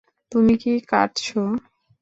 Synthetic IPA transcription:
t̪umikika̰ʈt͡ɕʰo

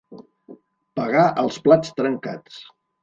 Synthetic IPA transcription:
pəɣaʔəlˠsplat͡st̪ɾəŋka̰t͡s

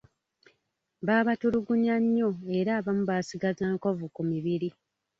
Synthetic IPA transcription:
βaːβatuɾuɡuɲaɲːo̞e̞ɾaːβamuβaːsiɡazaːŋko̞vukumiβiɾi

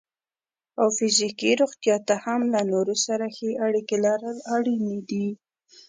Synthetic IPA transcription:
awfɪzikiɾoɣt̪jɑt̪ahamlanoɾosaɾaxeʔaɽikelaɾəlaɽinid̪i

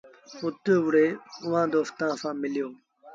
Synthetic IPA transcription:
ʊt̪oːʋʊɽeːʊʋ̤ãːd̪oːst̪ãːsãːmɪlɪjoː

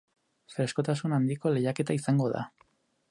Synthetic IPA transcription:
fɾe̞sko̞t̪asunand̪iko̞le̞jake̞t̪aisaŋɡo̞ða̰

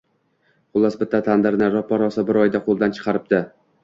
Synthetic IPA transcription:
χʊlˠːasbɪt̪ʰːat̪ʰand̪ɪɾnɪɾɒpʰːɒɾɒsɪbɪɾɒjd̪aqʰolˠd̪ant͡ʃʰɨ̥qʰɑɾɪp̚d̪ɪ

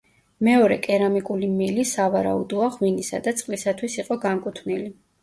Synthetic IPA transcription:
mɛɔɾɛkʼɛɾamikʼulimilisavaɾa̰ud̪ɔaʁwinisa̰d̪at̪sʼqʼlisat̪ʰwisiqʼɔɡaŋkʼut̪ʰvnili

